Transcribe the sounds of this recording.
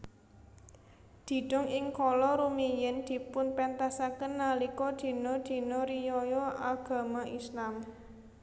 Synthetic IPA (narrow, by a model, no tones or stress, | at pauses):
d̪̥i̤ɖ̥ɔ̤ŋɪŋkɔlɔɾumijɪnd̪̥i̤pʊnpɛnt̪asakənːalikɔd̪̥i̤nɔd̪̥i̤nɔɾijɔjɔʔaɡ̥a̤maʔislam